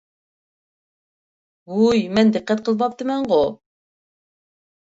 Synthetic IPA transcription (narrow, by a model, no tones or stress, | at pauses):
ujmɛnd̪ɪqːæt̪̚qʰəlˠbɑp̚t̪ɨmɛɴʁo